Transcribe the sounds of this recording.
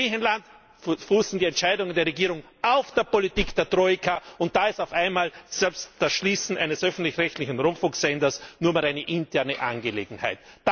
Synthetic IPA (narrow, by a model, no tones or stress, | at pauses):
iːçənlant | fuːsn̩diːɛntt͡ʃaɪdʊŋəndeːɐʁeɡiːʁʊŋ | ʔaʊfd̥eːɐpolitiːkd̥eːɐtʁ̥oɪkʰaʊnt̚d̥aːɪstaʊfaɪnmaːlz̥ɛlpstd̥asʃliːsn̩ʔa̰ɪnəsʔœfn̩tlɪçʁɛçtlɪçn̩ʁʊmpfʊŋksɛndɐsnuːɐmaːlaɪnəʔɪntʰɛɐnəʔa̰nɡəlḛːɡŋ̩ha̰ɪtd̥